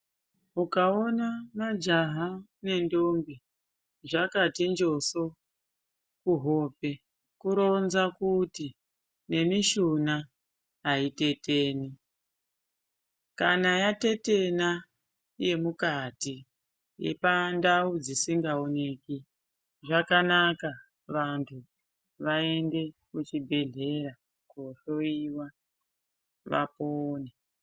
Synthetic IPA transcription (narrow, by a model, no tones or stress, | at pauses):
ukao̞namad͡ʒaɦane̞ndo̞mbi | ʐakatind͡ʒo̞so̞ | kuɦo̞ːpe̞ | kuɾo̞nzakuti | ne̞miʃunaː | ite̞te̞ːni | kanajate̞te̞na | je̞mukati | jḛpandaud͡zisiŋɡao̞ne̞ki | ʐakanaka | ʋantʰu | ʋae̞nde̞kut͡ʃibʱeɮe̞ɾa | koʃo̞iwa | ʋa̰poːne